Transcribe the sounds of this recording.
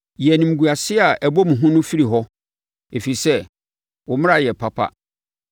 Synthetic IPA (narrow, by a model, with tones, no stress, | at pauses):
jɛ˨nĩ˨m̩˨ɡu˨a˨sɪ˦a˨ʔæ˨bo˦mũ˨ɦʊ̃˦nʊ̃˦fi˦ɾi˨ɦɔ˦ | e˨fi˨i˨sɛ˦ | wʊ˨mɪ̃˦ɾa˦˨jɛ˨pʰa˦pʰa̰˦